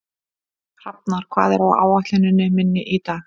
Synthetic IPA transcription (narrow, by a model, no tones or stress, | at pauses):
r̥ap̚naɾ̥kʰv̥a̰ːðɛɾawa̰ːwaht̪lanːɪnːɪmɪnːɪʔit̪aː